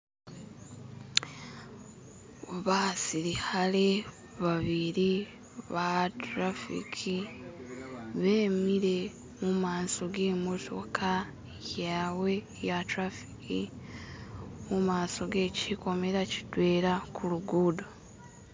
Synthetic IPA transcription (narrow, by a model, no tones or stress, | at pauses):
βasiɾihale̞ | βaβiɾi | βatɾafḭkʰi | βe̞ːmiɾe̞ | mumaːnso̞ɡeːmotʰo̞kʰa | jaːwe̞ | jatɾafi̥kḭ | mumaːso̞ɡe̞ciko̞meɾaci̥twe̞ːɾakʰuluɡuːdo